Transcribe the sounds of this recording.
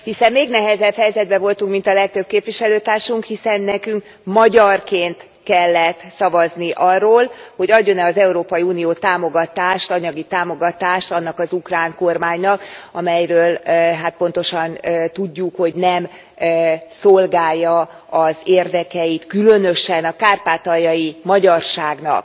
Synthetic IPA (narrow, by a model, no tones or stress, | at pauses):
hisɛmːeːɡnɛɦɛzɛbhɛjɛzɛd̪̚bɛvo̞lt̪uŋkmint̪ɒlɛk̚t̪ø̞b̥̚keːpʋiʃɛløːt̪aːrʃuŋkhisɛnːɛkyŋk | mɒɟɒrkeːnt̪ | kɛlːɛt̪sɒvɒzniʔɒrːoːlho̞ɟɒɟːo̞nɛɒzɛuɾoːpɒjiuːnijoːt̪aːmoɡɒt̪aːʃt̪ɒɲɒɡit̪aːmo̞ɡɒt̪aːʃt̪ɒnːɒkɒzukraːŋko̞rmaːɲnɒkɒmɛjɾøːlɦat̪̚po̞n̪t̪o̞ʃɒnøt̪uɟːukho̞ɟnɛm | so̞lɡaːjːɒ | ɒzeːrd̪ɛkɛjit̪kylø̞nø̞ʃɛnɒkaːrpaːt̪ɒjɒjimɒɟɒrʃaːɡnɒ̰k̚